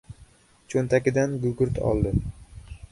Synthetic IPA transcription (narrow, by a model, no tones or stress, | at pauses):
t͡ʃʰont̪ʰakʲɪd̪anɡʊɡʊɾt̪ʰɒ̰lˠd̪ɪ